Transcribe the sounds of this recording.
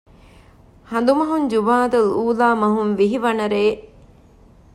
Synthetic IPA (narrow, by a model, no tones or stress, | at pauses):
hɐnd̪umɐɦuɲd͡ʒubaːd̪ɐluːlaːmɐɦunʋiɦiʋɐnɐɾeː